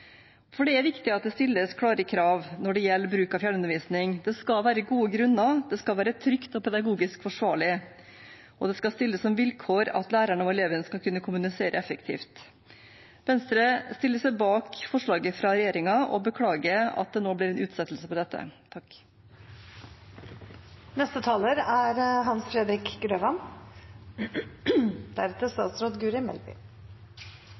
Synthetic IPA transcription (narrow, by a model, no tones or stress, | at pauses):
fɔɖɛæɾʋɪkt̪ɪɑt̪̚d̪ɛst̪ɪlːəskʰɽɑːɾəkʰɾɑːʋnɔɖɛjɛlːəbɾʉːkɑfjæɳʉnəʋiːsnɪŋd̪ɛskɑʋæːɾəɡuːəɡɾʉnːɑd̪ɛskɑlʋæːɾət̪ʰɾʏkt̪ɔpʰɛd̪ɑɡuːɡɪskfɔʂʋɑːɭɪ | ʔɔd̪ɛskɑst̪ɪlːəsːɔmʋɪlkʰoːɾɑ̰t̪læːɾæɳɑʋɛleːʋənskɑlkʰʉnːəkʰʊmʉnɪseːɾəɛfəkt̪ʰḭːft̪ | ʋɛnst̪ɾəst̪ɪlːəsɛɪbɑːkfɔʂɭɑːɡəfɾɑɾɛjeːɾɪŋɑɔ̰bəkʰɽɑːɡəɑ̰t̪̚d̪ɛnoːblɪɾɛnʔʉːt̪sɛt̪l̩səpɔd̪ɛt̪ːə̰t̪ʰɑk | nɛst̪ət̪ʰɑːləɾæɾɦɑnsfɾɛd̪ɾɪkɡɾøːʋɑn | d̪̥æɾɛt̪əst̪ɑːt̪sɾoːd̪ɡʉːɾɪmɛ̰lbɪ̰